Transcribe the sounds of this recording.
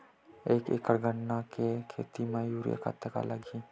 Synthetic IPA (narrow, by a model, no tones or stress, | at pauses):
eːkḛːkːəɽɡəɳːakekʰḛːt̪imãjuːɾjə̰ka̰t̪ːəka̰lʔəɡi